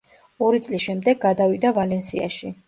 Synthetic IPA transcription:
ɔɾit̪sʼlisʃɛmd̪ɛɡ̚ɡad̪avid̪avalɛnsia̰ʃi

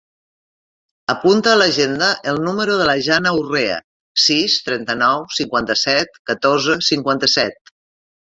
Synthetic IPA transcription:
əpunt̪əːləʒend̪əʔəlˠnuməɾuðələʒanəureə̰ | sist̪ɾɛnt̪ənɔwsiŋkwant̪əsɛt̪̚kət̪oɾzəsiŋkwant̪əsɛt̪̚

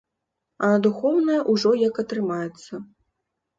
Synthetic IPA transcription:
ɐd̪uxɔwnɐjɐʔuʐɔjɐkɐt̪ɾɨmajɛt̪sːɐ

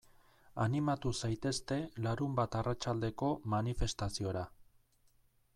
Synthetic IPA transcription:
animat̪usajt̪e̞st̪e̞laɾumbat̪arat͡ʃald̪e̞ko̞manife̞st̪asio̞ɾa

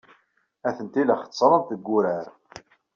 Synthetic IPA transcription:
æθənt̪iləχə̥t͡sːɾˤənt̪əɡːʊɾæɾ

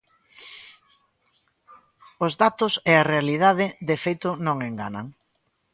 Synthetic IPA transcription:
ozðat̪ʊsearealiðað̞ɪðefejt̪ʊnõŋeŋɡa̰na̰ŋ

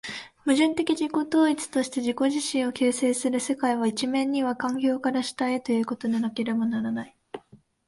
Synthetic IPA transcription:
mɯ̟ʑɨ̃nt̪e̞kʲiʑiko̞t̪o̞ːit͡sɨ̥t̪o̞ɕi̥t̪e̞ʑiko̞ʑiɕĩɰ̃o̞ke̞ːse̞ːsɨɾɯ̟se̞kaiβait͡ɕimẽ̞ɲ̟ːiβ̞akãŋɡʲo̞ːkaɾaɕi̥t̪ae̞t̪o̞jɯ̟ːko̞t̪o̞d̪enake̞ɾe̞banaɾanai

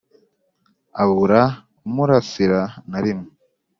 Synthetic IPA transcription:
aβuɾa | muɾasiɾanaɾimu

